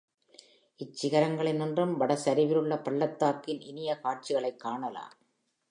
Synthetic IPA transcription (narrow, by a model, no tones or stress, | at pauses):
ɪt͡ʃːɪɣɐɾɐŋɡɐɭɪnɯndrɯmʋɐɽɐsɐɾɪʋɪlɯɭːɐpɐɭːɐt̪ːaːkːɪnʔɪnɪjɐkaːʈ̚t͡ʃɯɣɐɭɐɪkːaːɳɐla̰ːm